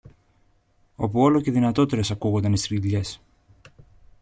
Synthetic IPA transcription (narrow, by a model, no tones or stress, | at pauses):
o̞̰puo̞lo̞ce̞ðinɐt̪o̞t̪e̞ɾe̞sɐkuɣo̞nd̪ɐnist̪ɾiðʎe̞s